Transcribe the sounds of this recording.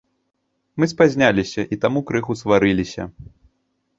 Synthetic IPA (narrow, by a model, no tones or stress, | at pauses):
mɨspazʲnʲalʲisʲɐʔit̪amukɾɨxusvaɾɨlʲisʲɐ̰